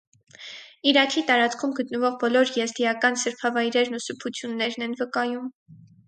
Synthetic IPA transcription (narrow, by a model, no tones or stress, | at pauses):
iɾɑkʰit̪ɑɾɑt͡skʰumɡət̪nəvɔʁbɔlɔɾjɛzd̪ijɑkɑnsəɾpʰɑvɑjɾɛɾnusəpʰut͡sʰjunːɛɾnɛnvəkɑjum